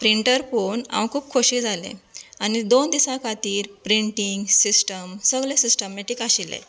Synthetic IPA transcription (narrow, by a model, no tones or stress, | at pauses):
pɾiɳʈəɾponã̰wkʰuːp̚kʰoɕiːd͡zʱalḛ̃añid̪ond̪isakʰat̪iːɾpɾiɳʈiŋɡsisʈəmsəɡɭẽsisʈəmeʈikaɕilḛ